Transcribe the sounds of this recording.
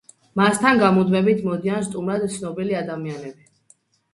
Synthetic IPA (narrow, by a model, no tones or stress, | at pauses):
mast̪ʰanɡamud̪mɛbit̪ʰmɔd̪ianst̪ʼumɾad̪t̪sʰnɔbiliad̪amianɛbi